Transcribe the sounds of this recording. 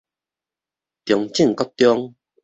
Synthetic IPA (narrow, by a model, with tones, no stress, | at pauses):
t̪jɔ˨˧ŋt͡ɕi˥˨ŋkɔ˦˥t̪jɔ˦ŋ